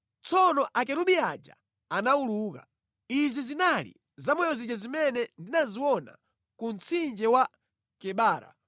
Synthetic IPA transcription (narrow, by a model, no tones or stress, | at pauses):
t͡sɔnɔʔakɛɾuɓiad͡ʒa̰ | anauluːka̰ | izizinalḭ | zamɔjɔzid͡ʒazimɛnɛndinaziwɔna̰ | kun̩t͡sʰind͡ʒɛwa | kɛɓaːɾa̰